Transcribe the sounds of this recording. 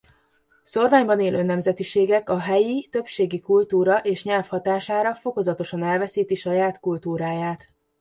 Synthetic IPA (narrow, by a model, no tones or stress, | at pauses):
so̞rvaːɲbɒneːlʔønːɛmzɛt̪iʃeːɡɛkɒɦɛjit̪ø̞pʃeːɡikult̪uːɾɒʔeːʃɲɛlfhɒt̪aːʃaːɾɒfo̞ko̞zɒt̪o̞ʃɒnɛlvɛsiːt̪iʃɒjaːt̪kult̪uːɾaːjaːt̪